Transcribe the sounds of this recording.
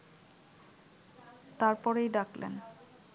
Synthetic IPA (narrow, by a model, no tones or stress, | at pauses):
t̪aɾpɔɾejɖaklḛn